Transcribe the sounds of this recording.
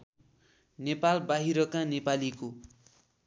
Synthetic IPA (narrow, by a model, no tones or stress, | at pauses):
nepalbaɦiɾʌkanepaliko